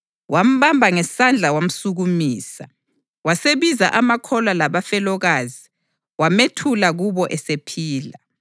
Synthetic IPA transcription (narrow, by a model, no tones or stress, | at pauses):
wʔam̩βambʱaŋɛsand͡ɮʱawam̩suɣumiːsa̰ | waseβizaʔamakʰɔlalaβafɛlɔɣaːzi | wametʰulaɣuβɔʔɛsepʰiːla